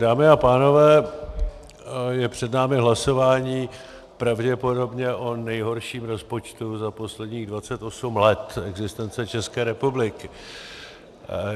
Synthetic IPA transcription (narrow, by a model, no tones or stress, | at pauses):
daːmɪapaːno̞vɛː | jɛpr̝̥ɛdnaːmɪɦlaso̞vaːɲiː | pɾavɟɛpo̞do̞bɲɛʔo̞nɛjɦo̞ɾʃiːmɾo̞spo̞t͡ʃt̪uzapo̞slɛdɲiːɣdvat͡sɛt̪ʔo̞sumlɛt̪ɛɡzɪst̪ɛnt͡sɛt͡ʃɛskɛːɾɛpublɪkɪ